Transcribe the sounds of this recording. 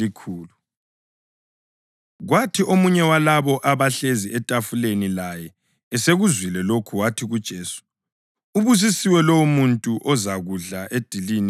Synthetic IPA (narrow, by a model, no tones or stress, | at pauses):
ikʰuːlu | ɣwatʰiʔomuɲɛwalaβɔʔaβaɬeziɛtʼafulenilajɛ | ɛseɣuzwilɛlokʰuwatʰiɣud̥ʒ̥ʼɛːsu̥ | uβus̬isiwɛlowumuntʼuʔɔzaɣuɮaʔed̥ʱilin